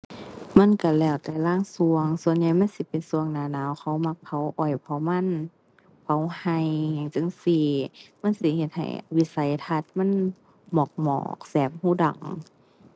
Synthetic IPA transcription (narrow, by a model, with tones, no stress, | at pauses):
ma˧˥˨nka˧˩lɛː˧˩wt̪ɛː˧˩laː˧˥˨ŋsu˧əŋsu˧˨ənɲa˧jma˧˥˨nsi˧˦pe˨nsu˧əŋnaː˧naː˧˨wxʰa˧˦wma˧˥kpʰa˧˦˩wʔɔ˨˩jpʰɔ˧˦ma˧˥˨n | pa˧˦wha˧ja˨˩ŋt͡ɕɯ˧˨ŋsi˧ma˧˥˨nsi˧˦he˧t̪̚ha̰˨˩jwi˧˥sa˧˩jt̪ʰa˧t̪̚ma˧˥˨n | mɔː˨˩k̚mɔ̰ː˧˩k̚sɛː˨˩p̚huː˧˥˨da̰˨˩ŋ